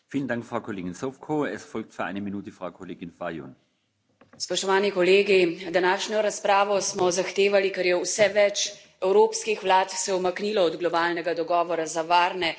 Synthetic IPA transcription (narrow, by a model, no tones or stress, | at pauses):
fiːləndaŋkfʁaʊkʰoleːɡɪnsofkʰoːɛsfɔlk̚tfyɐʔa̰ɪnəminuːtəfʁaʊkʰoleːɡɪnfajo̰ːn | spɔʃt̪ɔʋaːnikɔleːɡid̪anaːʃɲɔɾaspɾaːʋɔsmɔzaxt̪eːʋalikɛɾjɛwsɛʋɛt͡ʃ | ɛwɾoːpskixʋlaːt̪sɛwmaknilɔɔd̪ɡlɔbaːlnɛɡad̪ɔɡɔːʋɔɾazaʋaːɾnɛ